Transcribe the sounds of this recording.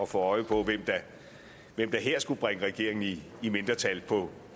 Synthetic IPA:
ɒ̽fɒɒ̽ɪəpʰɒ̽ʋem̰d̥ɑ | ʋem̰d̥ɑ̈ɦeɐ̰sɡ̥ub̥ʁaŋəʁɛɡ̥e̝ɐe̝ŋn̩iː | me̝nd̥ʁɐt͡sʰælpʰɒ̽

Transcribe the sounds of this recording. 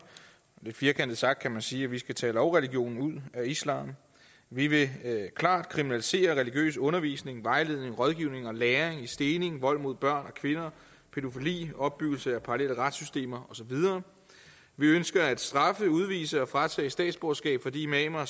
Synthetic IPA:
d̥e̝fiːɐkʰænd̥ð̩sɑ̈ɡ̥̚d̥̚kʰæmænsiːæʋisɡ̥æt͡sʰɛ̰ːlɒʊʁɛliɡ̥jo̝̰ːnn̩uð̰ˠæislɑ̰̈ːm | ʋiʋe̝kʰlɑ̰̈ːd̥kʰʁiminælise̝̰ːɐʁɛliɡ̥jø̰ːsɔ̽nɐʋḭːsne̝ŋʋɑ̈ɪle̝ð̞ˠne̝ŋʁɒ̽ð̞ˠɡ̥iʊ̰ne̝ŋɒ̽leːɐŋisd̥e̝ːne̝ŋʋɒ̽l̰mo̝ð̞̰ˠb̥ɶɐ̰nɒ̽kʰʋe̝nɐ | pʰe̝d̥o̝filḭːɒ̽b̥̚ːyɡ̥l̩səæpʰɑ̈ʁɑlel̰əʁad̥sysd̥e̝̰ːmɐɒ̽sɒ̽ʋið̞ˠɐː | ʋiønsɡ̥ɐæd̥sd̥ʁɑ̈fəuð̞ˠʋḭːsəɒ̽fʁɑ̈t͡sʰɛ̰̥ːsd̥ɛ̰ːd̥sb̥osɡ̥ɛ̰ːb̥fɒ̽d̥ḭːmɛmɐ

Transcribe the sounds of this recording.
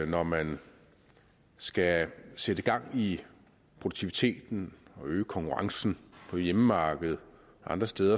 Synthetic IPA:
nɒmæn | sɡ̥æsed̥əɡ̥ɑ̈ŋ̰i | pʰʁod̥u̥t͡sʰiʋit͡sʰe̝̰ːd̥n̩ɒ̽øːkʰɒ̽ŋkʰuʁɑ̈ŋsn̩pʰɒ̥̽jeməmɑ̈ːɡ̥əð̞̩ˠ | ɑ̈nd̥ʁɐsd̥eːð̞ˠɐ

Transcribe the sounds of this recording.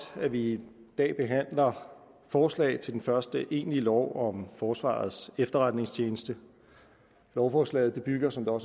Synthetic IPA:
æʋid̥ɛ̰ːb̥e̝ɦæn̰lɐ | fɒːslɛ̰ɪt͡sʰe̝d̥enfɶɐsd̥əʔe̝̰ːnlilɒʊ̰ɒ̽mfɒːsʋɑ̰̈ːð̞̩ˠsefd̥ɐʁad̥ne̝ŋst͡ɕʰe̝ːnəsd̥ə | lɒʊfɒːslɛ̰ɪð̩ˠd̥ib̥yɡ̥ɐsɒ̽md̥eɒ̽s

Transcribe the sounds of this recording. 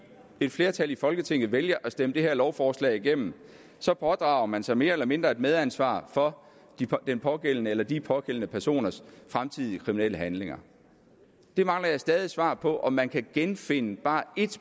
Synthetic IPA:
e̝d̥fle̝ːɐt͡sʰæl̰ifɒ̽lɡ̥ət͡sʰe̝ŋ̰ð̞̩ˠʋeljɐʔæsd̥eməd̥e̝ɦæɐlɒʊfɒːslɛ̰ːɪiɡ̥em̰m̩ | sɒ̽pʰɒ̽d̥ʁɑ̈ʊɐmænsɑ̈ɪme̝ːɐelɐme̝nd̥ʁɐe̝d̥með̞ˠænsʋɑ̰̈ːfɒ̥̽ | d̥enpʰɒ̽ɡ̥el̰ənəelɐd̥ipʰɒ̽ɡ̥el̰nəpʰæɐso̝̰ːnɐsfʁamt͡sʰið̞̰ˠiəkʰʁiminel̰əɦænle̝ŋɐ | d̥e̝mɑ̈ŋlɐjɑ̈ɪsd̥ɛːð̞ˠisʋɑ̰̈ːpʰɒ̽ʔɒ̽mːænkʰæɡ̥enfe̝nəb̥ɑ̈ːe̝d̥

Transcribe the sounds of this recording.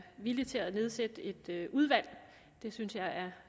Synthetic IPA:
ʋilit͡sʰe̝æðˠne̝ð̞ˠsed̥əe̝d̥øʔuð̞ˠʋæl̰ | d̥e̝synsjɑ̈ɪæɐ

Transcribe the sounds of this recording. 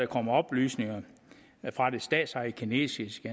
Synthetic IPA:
ɑkʰɒ̽m̰ɐɒ̽b̥lyːsne̝ŋɐ | fʁɑ̈d̥e̝sd̥ɛ̰ːd̥sɑ̈ikʰine̝̰ːsisɡ̥e

